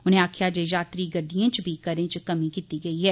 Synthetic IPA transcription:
ʊnɦẽaːkʰjaːd͡ʒed͡ʒaːt̪ɾiɡɐɖijẽt͡ʃbʱikɐɾẽt͡ʃkɐmĩkiːt̪iɡɐiɦɛː

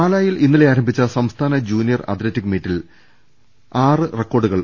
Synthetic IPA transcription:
aːlaːjilinːile̞aːɾɐmbʱit͡ɕːɐsɐmst̪ʰaːnɐd͡ʑuːnijɐrɐ̰d̪lɐtːikːmeːtːil | aːrɨrekːo̞ːɖuɣɐɭ

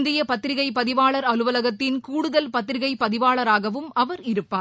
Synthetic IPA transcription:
nd̪ɪjɐpɐt̪ːɾɪɣɐɪpɐðɪʋaːɭɐɾɐlɯʋɐlɐɣɐt̪ːɪnkuːɽɯðɐlpɐt̪ːɪɾɪɣɐɪpːɐðɪʋaːɭɐɾaːɣɐʋɯmɐʋɐɾɪɾɯpːaː

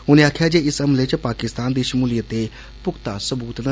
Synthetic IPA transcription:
ʊnẽaːkʰjad͡ʒeːɪsɐmlet͡ʃpaːkɪst̪aːnd̪iʃəmuːlijət̪e | pʊkt̪asɐbuːt̪nə

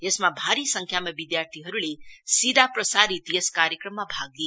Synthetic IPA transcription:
esmabʱaɾisə̃ŋkʰjamabid̪jaɾt̪ʰiɦʌɾulesid̪apɾəsaɾit̪jəskaɾjəkɾəmːabʱaɡli

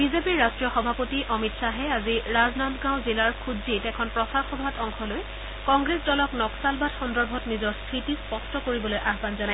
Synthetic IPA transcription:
bizepiɹːastɹijɔxɔbʱapotiʔɔmitsaɦɛaziɹaznantɡãw̃zilaɹkʰudzitɛkʰɔnpɹɔsaxɔbʱatɔŋxɔloj | kɔŋɡɹesdɔlɔknɔksalbatxɔndɔɹbʱɔtnizɔɹstʰɹitispɔstɔkoɹibɔlojʔaxbanzanaj

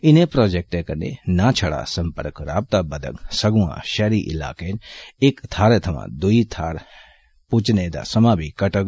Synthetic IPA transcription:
ɪnẽpɾoːd͡ʒek̚ʈekəɾnḛnat͡ʃʰəɽa̰ːsɐmpəɾkɾa̰ːb̚t̪abəd̪ə̰ɡsɐɡũã̰ʃɛɾiʔɪ̰la̰ːkeːneːkt̪ʰaːɾet̪ʰɐmã̰d̪uit̪ʰaːɾ | put͡ʃned̪a̰ːsɐmãːbʱikəʈəɡ

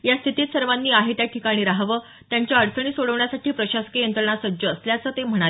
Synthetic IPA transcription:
jast̪ʰit̪iːt̪səɾʋanːiːaɦet̪jaʈʰikaɽ̃iːɾaɦʋəː | t̪jaɲt͡ɕjaəɽsəɳ̃iːsoɽəʋɳjasaʈʰiːpɾəɕaskejənt̪ɾəɳasəd͡ʑəːsljat͡səːt̪em̤əɽ̃ae

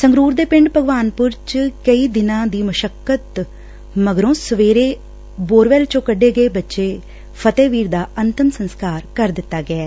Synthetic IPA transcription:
səŋɡɾuːɾd̪eːpɪ̃ɳɖpəɡʋaːnpʊɾt͡ʃkəiːd̪ɪnãːd̪iːməʃəkːət̪ | məɡɾõːsəʋeːɾeː | boːɾʋɛːlt͡ʃõːkəɖːeːɡəeːbətːʃeː | pʰət̪eːʋiːɾd̪aːənt̪əmsənskaːɾkəɾd̪ɪt̪ːaːɡəɛː

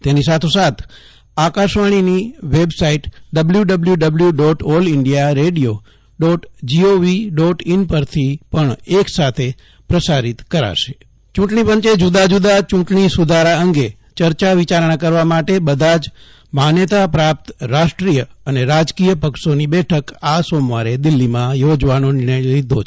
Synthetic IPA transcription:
t̪enisat̪ʰosat̪ʰ | akaʃʋaɽ̃iniʋebsaiʈɖəbljuɖəbljuɖəbljuɖɔʈɔlɪɳɖijaɾeɽijo | ɖɔʈd͡ʒioʋiɖɔʈɪnpəɾt̪ʰipəɳeksat̪ʰe | pɾəsaɾit̪kəɾa̰ʃe̥ | t͡ʃũʈɳipəɲt͡ʃed͡ʒud̪ad͡ʒud̪at͡ʃũʈɳisud̪ʱaɾaəŋɡe | t͡ʃəɾt͡ʃaʋɪt͡ʃaɾɳ̃akəɾʋamaʈebəd̪ʱad͡ʒ | manjət̪apɾap̚t̪ɾaʃʈɾijəəneɾad͡ʒkijəpəkʃonibɛʈʰəkasomʋaɾed̪ɪlːimãjod͡ʒʋanonɪɾɳəjɾid̪ʱo

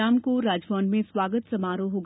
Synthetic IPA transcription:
aːmkoɾaːd͡ʒʋãːnɖmẽswaːɡət̪sɐmaːɾoɦoːɡ

